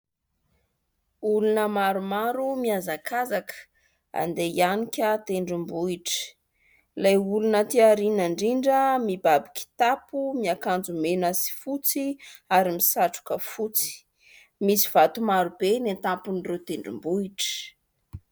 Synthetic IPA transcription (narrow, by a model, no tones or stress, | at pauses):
ulunəmaɾumaɾumiazakazakə̥ | a̰nd̪eianikʲət̪eɳɖ͡ʐimbuiʈ͡ʂə̥ | lajulunət̪iaɾinaɳɖ͡ʐiɳɖ͡ʐəmibabikʲi̥t̪apumiakand͡zumenəsi̥fut͡siaɾimisaʈ͡ʂu̥kəfut͡si̥ | misi̥v̥at̪umaɾubenet̪apuniret̪eɳɖ͡ʐḭmbuiʈ͡ʂə̥